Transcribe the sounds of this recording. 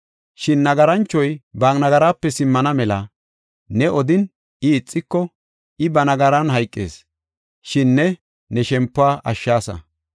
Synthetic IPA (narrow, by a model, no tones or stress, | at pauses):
ʃɪnːɐɡɐɾɐnt͡ʃːɔjbaːknɐɡɐɾaːpːɛsɪmːɐnɐmɛlɐ | nɛɔd̪ɪn | ɪːt͡sʼːɪkːɔ | ʔɪbɐnɐɡɐɾɐnɦɐjkʼːḛːs | ʃɪnːɛ | nɛʃɛmpːʊaːʔɐʃːaːsɐ̰